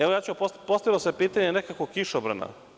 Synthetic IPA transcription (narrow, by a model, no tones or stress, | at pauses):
eʋojaːt͡ɕuapopost̪aʋilosepiːt̪aɲenekakokiʃobɾa̰na̰